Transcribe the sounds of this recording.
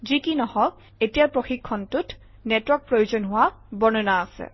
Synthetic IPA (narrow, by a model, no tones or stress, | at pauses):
zikinɔhɔ | etijapɹoxikʰːɔntʊt | nɛtwɔk̚pɹojuzɔnɦʊwabɔnɔnaːsɛ̰